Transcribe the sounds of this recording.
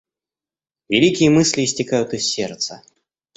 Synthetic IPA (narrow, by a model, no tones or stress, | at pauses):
vʲɪlʲikʲɪjəmɨsʲlʲɪːsʲtʲɪkajʊt̪ɨsːʲert̪sə